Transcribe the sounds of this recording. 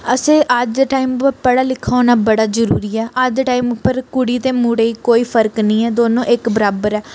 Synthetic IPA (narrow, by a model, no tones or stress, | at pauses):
əsẽːʔəd͡ʒʈaːimpəɾpəɽaːlɪkʰːaoːnaːbəɽaːzəɾuːɾiːɛːʔəd͡ʒʈaːiːmpəɾkʊɽiːt̪eːmuɽeːiːkoːiːpʰəɾknĩːɛːd̪oːnõːʔɪkbəɾaːbəɾɛː